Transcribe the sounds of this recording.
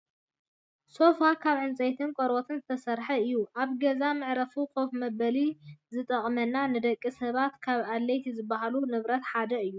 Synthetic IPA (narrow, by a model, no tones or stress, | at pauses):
so̞fakʰaβʕɨnt͡sʼɐjt̪ʰɨnkʼoɾot̪ʰɨnzɨt̪ʰɐsɐɾħɐɨjːuʔaβɡɐzamɨʕɾɐfukʰofmɐbɐlizɨt̪ʼɐχʼmɐnːanɨd̪ɐkʼːisɐβat̪kʰaβalːejt̪ʰizɨbːaɦalunɨβɾɐt̪ħad̪ɐɨjːu